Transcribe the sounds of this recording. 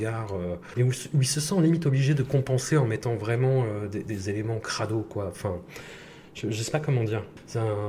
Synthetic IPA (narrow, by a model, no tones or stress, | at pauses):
ɡaʁø | eusuilsəsɑ̃limit̪ɔbliʒed̪əkɔ̃pɑ̃seɑ̃mɛt̪ɑ̃vʁɛmɑ̃ød̪ed̪ezelemɑ̃kχad̪okwaɑ̃fɛ̃ | ʒ̥əʒəsɛ̥pakɔmɑ̃d̪iːʁ | sɛɛ̃